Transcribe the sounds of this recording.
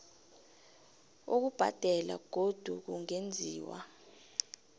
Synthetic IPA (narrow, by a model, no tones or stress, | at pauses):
uk̬ub̥ʱa̰d̥ʱɛla̰ɡ̥ʱod̥ʱuk̬uŋend͡zʱiːwa̰